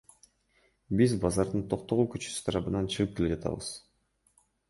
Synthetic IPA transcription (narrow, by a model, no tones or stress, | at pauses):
bizbɑzɑɾd̪ɯnt̪ʰo̞q̚t̪o̞ʁukyt͡ʃy̥sy̥t̪ʰɑɾɑβɯnɑnt͡ʃʰɯʁɯp̚ke̞led͡ʒɑt̪ʰɑ̰βɯ̰z̥